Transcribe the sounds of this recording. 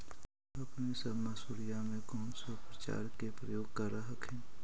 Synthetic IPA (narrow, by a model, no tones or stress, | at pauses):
ɐpnesəbmasuːɾijamẽkɔːnsopɾət͡ʃa̰ːɾkepɾəjoːɡ̚kaɾaɦəkɦɛ̃ː